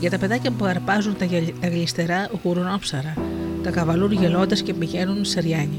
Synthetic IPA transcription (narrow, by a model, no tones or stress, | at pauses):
ʝɐt̪ɐpeðacɐmpuɣɐɾpazunt̪t̪ɐɣlist̪eɾauɣuɾunɔpsɐɾat̪ɐkɐvɐluɾʝelɔt̪ɐscepiʝɛnunseɾiaɲi